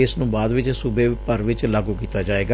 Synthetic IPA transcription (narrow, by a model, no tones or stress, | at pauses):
ɪsnũːbaːd̪ʋɪt͡ʃsʊbeːpəɾʋɪt͡ʃlaːɡuːkiːt̪aːd͡ʒaːeːɡa